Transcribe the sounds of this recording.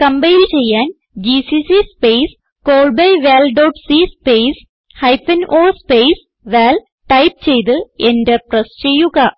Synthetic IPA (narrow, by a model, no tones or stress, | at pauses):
kɐmbɐjilt͡ɕe̞jːaːn | d͡ʑisisispejs | koːɭbɐjʋeːlɖoːʈsispejs | hɐjpːɐnʔoːspejs | ʋeːl | ʈɐjp̚t͡ɕe̞jt̪̬ɨendeprɐst͡ɕe̞jːuɣɐ